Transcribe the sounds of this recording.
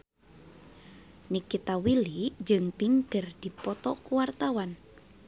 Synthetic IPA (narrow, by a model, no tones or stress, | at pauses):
nikit̪awiliʔd͡ʒɨŋpiŋkərd̥i̤pɔt̪ɔkuwart̪awan